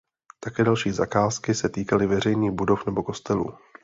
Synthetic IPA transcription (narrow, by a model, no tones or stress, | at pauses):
t̪akɛːdalʃiːzakaːskɪsɛt̪iːkalɪvɛr̝ɛjɲiːɣbudo̞fnɛbo̞ko̞st̪ɛlṵː